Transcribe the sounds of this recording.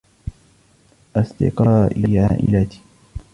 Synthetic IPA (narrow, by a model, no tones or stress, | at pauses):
ʔasˤd̪ɪ̰qɑːʔiʕaːʔɪ̰lat̪i̥